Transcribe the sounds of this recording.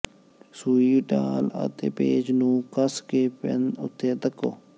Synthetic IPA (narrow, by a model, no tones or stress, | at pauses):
suːiːʈaːlə̰t̪ḛːpeːd͡ʒnũːkəskeːpɪ̰nʊt̪ʰːeːt̪əkːo̰ː